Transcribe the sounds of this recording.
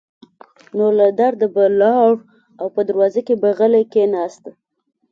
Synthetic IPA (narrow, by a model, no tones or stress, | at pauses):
nolad̪aɾd̪abalɑɽ | awpəd̪əɾwɑzəkebaɣəlajkenɑst̪a